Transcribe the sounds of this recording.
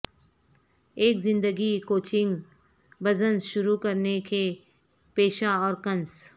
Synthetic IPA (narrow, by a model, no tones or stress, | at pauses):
eːkzɪ̃nd̪əɡikoːt͡ʃɪ̃ŋɡ | bɐzə̃nsʃʊɾukɐɾneke | peːʃaɔːɾkɐ̃ns